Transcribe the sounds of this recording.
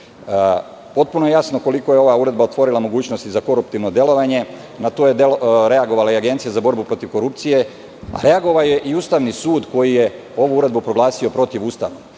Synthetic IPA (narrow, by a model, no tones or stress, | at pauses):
po̞t̪̚punojejasno̞ko̞liko̞jeo̞ʋauɾe̞d̪bao̞t̪ʋo̞ɾilˠamo̞ɡuːt͡ɕno̞st̪izako̞ɾupt̪iʋno̞d̪je̞lo̞ʋaɲe̞ | nat̪o̞ːjed̪eloɾe̞aɡo̞ʋalaiaɡent̪sijazabo̞ɾbupɾo̞t̪iʋko̞ɾup̚t̪sije̞ | a̰ɾe̞aɡo̞ʋaoje̞ʔiuːst̪aʋnisuːd̪ko̞jije̞ | o̞ʋuuɾe̞d̪bupɾo̞ɡlaːsio̞pɾo̞t̪iʋuːst̪a̰ʋno